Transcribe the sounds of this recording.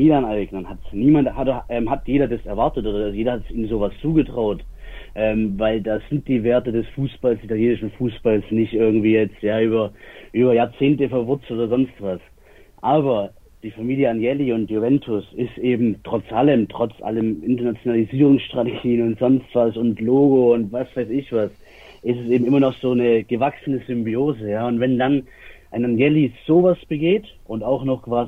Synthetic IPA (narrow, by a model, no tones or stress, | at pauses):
miːlanaɪɡnɐnhatsniːmanthadɐʔɛːmhatjeːɾɐdasɛɐvaɐtətʔoːdɐjeːdɐhatsiːmzoːvast͡suːɡətʁ̥aʊtʔɛːmvaɪldaːz̥ɪnt̚d̥iːveːɐtədɛsfuːsb̥alsitʰaljeːnɪʃn̩fuːsb̥alsnɪçtʔɪɐɡŋ̩tv̥iːjɛt͡stjaːyːbɐʔyːbɐjaːɐt͡seːntəfɛɐvʊɐt͡sl̩ʔoːdɐzɔnstv̥as | ʔaːbɐ | d̥iːfamiːljəanjɛliʊntjuvɛntʰʊsɪstʔeːbm̩tʁ̥ɔt͡sʔaləmtʁ̥ɔt͡sʔa̰ləmʔɪntɐnat͡sjonaliziːʁ̞ʊŋsʃtʁ̥ateɡiːənʊntz̥ɔnstv̥asʊntloːɡoʊntvasv̥aɪsɪçv̥as | ʔɪstɛsʔeːbm̩ʔɪmɐnɔχz̥oːnəɡ̥əvaksənəzʏmbioːzəjaːʊntvɛndan | ʔaɪnanjɛliz̥oːvasb̥əɡeːt | ʔʊntaʊxnɔχkv̥aːz